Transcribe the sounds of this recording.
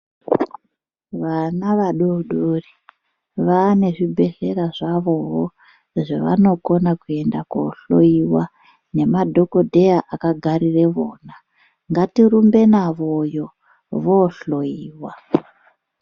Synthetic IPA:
ʋanaʋaɗoɗori | ʋane̞ʐibʱe̞ɬe̞ɾaʐaʋo̞ɦo | ʐeʋa̰no̞ko̞nakue̞ndako̰ɬo̞̰iwa | ne̞madʱo̞ko̞dʱe̞jaʔakaɡʱaɾire̞ʋoːna | ŋɡatirumbe̞naʋojo̞ | ʋoɬoiːwa

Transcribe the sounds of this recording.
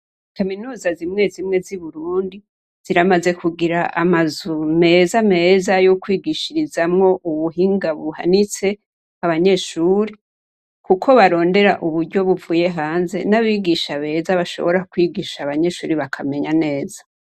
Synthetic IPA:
kaminuːzazimŋe̞zimŋe̞ziβuɾuːndi | z̥iɾamaze̞kuɡiɾaʔamazume̞zame̞zajokwiːɡiʃiɾizamŋo̞ʔuβuɦiːŋɡaβuha̰nit͡se̞ | aβaɲe̞ːʃuːɾi | kukʰo̞βaɾo̞ːnde̞ɾaʔuβuɾɟo̞βuvuːje̞ɦaːnze̞̰naβiɡiʃaβe̞ːzaβaʃo̞̰βo̞ɾakwiːɡiːʃaβaɲe̞ʃuːɾiβakʰame̞ɲane̞ːzḁ

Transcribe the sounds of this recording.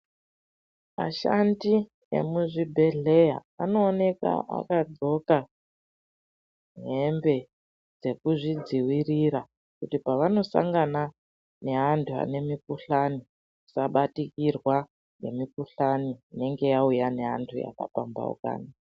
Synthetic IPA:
ma̰ʃa̰ndi | ḛmuʐibʱe̞ɮe̞ja̰a̰no̞ːne̞ka̰a̰kad͡zo̞ka | ne̞mbe̞ | d͡ze̞kuʐid͡ziwiriɾa | kutipaʋano̞sa̰ŋɡana | ne̞ɦantʰua̰ne̞mikuɬani | isaɓatikirwa | ne̞mikuɬaniːne̞ŋɡe̞jaujane̞ɦa̰ntʰuja̰ka̰pamba̰ṵka̰ːni

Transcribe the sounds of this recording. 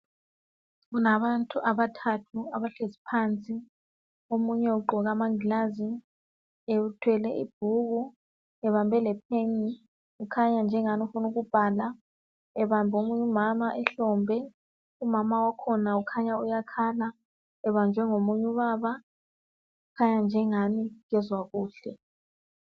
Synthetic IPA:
ɣunaβantʰʼuʔaβatʰatʰuaβaɬezipʰant͡sʼi | omuɲɛuɡ͡ǃʱɔɣamaŋilazi | eutʰwɛlɛʔḭb̥̚ʱuɣu | ɛβambʱɛlɛp̚ʰeɲi | ukʰaɲand͡ʒʱɛŋanufunuɣub̥ʱaːla | ɛβambʱomuɲumamaʔɛɬɔmbʱɛ | umamawakʰɔnaukʰaɲaujakʰaːla | ɛβand͡ʒʱɛŋomuɲuɓaːɓa | ukʰaɲand͡ʒʱɛŋanik̬ɛzwakuːɬɛ

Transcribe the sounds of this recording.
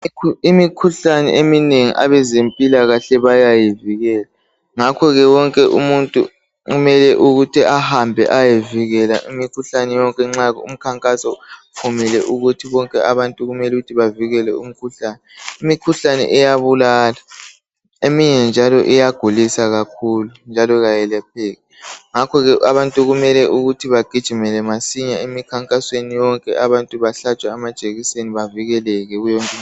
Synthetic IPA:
imikʰuɬanɛ̰ʔemineŋḭʔa̰βɛzempʼilaɣaɬɛβajajiviɣɛːla | ŋakʰɔɣɛwɔŋkʼɛʔumuntʼu | umɛlɛʔuɣutʰiʔahambʱɛ̰ʔajeviɣɛla̰ʔimikʰuɬanɛjɔŋkʼɛŋ͡ǁaɣṵm̩kʰaŋkʼasɔpʰumilɛʔuɣutʰiβɔŋkʼɛaβantʼuɣumɛluɣutʰiβaviɣɛlɛ̰um̩kʰuɬaːnɛimikʰuɬanɛ̰ʔɛjaβulaːla | emiɲɛnd͡ʒʱalɔʔijaɡ̥ʱulisaɣakʰulund͡ʒʱalɔɣajɛlɛp̚ʰɛɣɛŋakʰɔɣɛaβantʼuɣumɛlɛʔuɣutʰiβaɡ̥ʱid̥ʒ̥ʱimɛlɛmasiɲaemikʰaŋkʼaswenijɔŋkʼɛʔaβantʼuβaɬat͡ʃʼwaːmad̥ʒ̥ʼʱeɣiseniβaviɣɛlɛɣɛɣujɔŋkʼɛ

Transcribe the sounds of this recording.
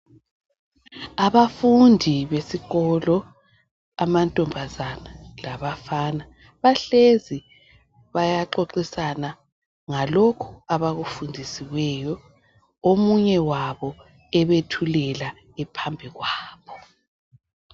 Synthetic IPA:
aβafundʱiβesiɣɔlɔ | amantʼɔmbʱazanalaβafana | βaɬezi | βajaǃoǃisana | ŋalokʰu̥aβaɣufundʱisiwɛjɔ | omuɲɛwaβɔ | ɛβetʰulɛla | ɛpʰambʱiɣwaːβɔ

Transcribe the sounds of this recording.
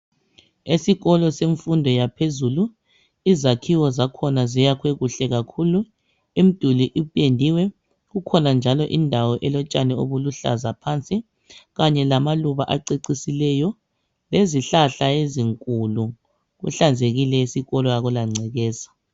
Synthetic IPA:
esiɣɔlɔseɱfundʱɔjapʰezulu | izakʰiwɔzakʰɔnazijakʰweɣuɬɛɣakʰulu | im̩d̥ʱuliʔipʼendʱiwɛ | ɣukʰɔnand͡ʒʱalɔʔindʱawɔʔɛlɔt͡ʃʼanɛoβuluɬa̰zapʰant͡sʼi | ɣaɲɛlamaluβaʔaǀeǀisilɛjɔ | leziɬaɬaeziŋkʼulu | ɣṵɬand͡zʱeɣilɛisiɣɔlɔjaɣulaŋ͡ǀʱɛɣɛːzḁ

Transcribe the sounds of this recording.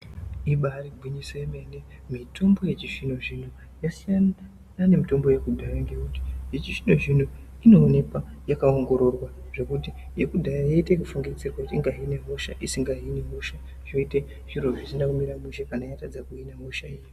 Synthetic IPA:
iɓaribʱiɲisojeme̞ne | mitʰo̞mbo̞je̞t͡ʃiʐino̞ʐin̤o | jasija | nane̞mito̞mbo̞je̞kudʱajeŋɡeuti̥ijet͡ʃiʐino̞ʐin̤o | ino̞ːne̞kwajakaoŋɡo̞ɾo̞rwa | ʐe̞kuti | jekudʱajjaite̞k̬ufuŋɡid͡zirwakutiŋɡaɦine̞ɦoʃa̰ʔisiŋɡaɦinemoʃa | ʐ̥o̞ite̞ | ʐiro̞ʐisinakumiɾamuʃakanaijatad͡zakuinamoʃaiji

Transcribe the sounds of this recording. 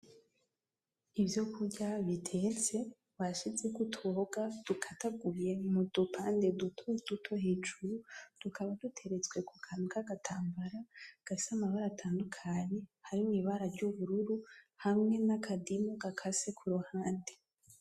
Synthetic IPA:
ivjo̞kʰuɟaβitʰe̞t͡se̞ | βaʃizekutʰoɡad̥ukʰataɡuje̞mud̥upʰaːnde̞dutʰod̥utʰo̞he̞ːd͡ʒuɾud̥ukʰaβadutʰe̞ɾe̞t͡swe̞kukʰanukaɡatʰaːmbaɾaɡ̥asamahoɾatʰaːndukʰaɲe̞haɾimŋiβaɾaɾɟuβuɾuɾu | hamŋe̞nakʰadimuɡakʰase̞kʰuɾuhaːnde

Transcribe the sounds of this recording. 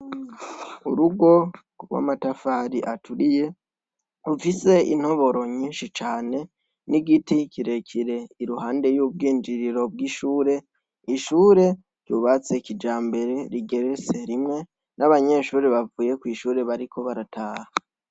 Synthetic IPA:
uɾuɡo̞ | ɾwa̰matafaːɾiʔatʰuɾije̞ | ufise̞ḭn̥o̞βo̞ɾo̞ɲiːnʃit͡ʃaːne̞ | niɡitikiɾe̞kʰiɾe̞iɾuhaːnde̞juːb̚ɡiːnd͡ʒiɾiɾo̞b̚ɡiʃuːɾe̞ | iʃuːɾe̞ | ɟjuβat͡se̞kid͡ʒaːmbe̞ɾe̞ɾiɡe̞ɾet͡se̞ɾimŋe̞ | nʔaβaɲe̞ʃuːɾeβavuːje̞kwiːʃuːɾe̞βaɾikʰo̞βaɾatʰaːha

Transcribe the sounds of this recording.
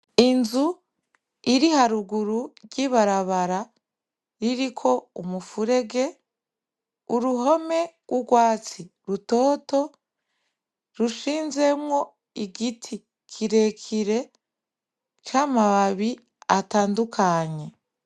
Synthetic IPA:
inzu | iɾihaɾuɡuɾuɾɟiβaɾaβaɾa | ɾiɾikʰo̞umufuɾe̞ɡe̞ | uɾuɦo̞me̞ɡ̥wuɡwaːt͡si | ɾuto̞ːto̞ | ɾuʃiːnze̞mŋo̞ | iɡitʰi | kʰiɾe̞kʰiɾe̞ | t͡ʃaːmaβaβi | ataːndukʰaɲe̞

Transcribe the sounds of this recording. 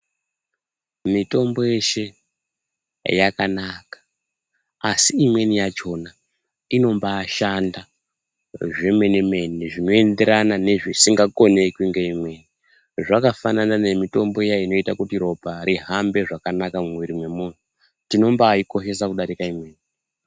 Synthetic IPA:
mito̞mbo̞je̞ʃe̞ | jakanakḁ | asiimwe̞nijat͡ʃo̞na | ino̞mbaːʃanda | ʐe̞me̞neme̞neʐino̞e̞nde̞ɾanane̞ʐisiŋɡako̞ne̞kwiŋɡe̞imwe̞ːni | ʐakafananane̞mito̞mbo̞ejaino̞itakutiɾo̞paɾiɦambe̞ʐakanakamuʋiɾimwe̞muːn̤u | tino̞mbaːiko̞ʃe̞s̬akuɗaɾikaimweːni

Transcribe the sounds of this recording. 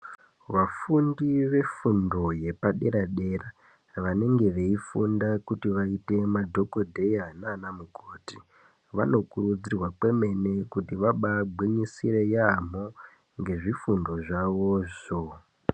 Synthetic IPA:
ʋafundiʋe̞fundo̞je̞paɗe̞ɾaɗe̞ra | ʋane̞ŋɡe̞ʋe̞ifundakutiʋaite̞madʱo̞ko̞dʱe̞janaːnamukʰoːti̥ | ʋa̰no̞kurud͡zirwak͡pwe̞me̞ne̞kutiʋaɓaɡ͡bʱwiɲisiɾe̞jam̤o | ŋɡe̞ʐifundo̞ʐaʋoʐo

